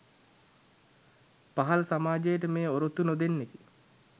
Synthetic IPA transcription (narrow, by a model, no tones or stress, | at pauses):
paɦalsamaːd͡ʒejəʈəmeːoɾot̪unod̪enːek̪i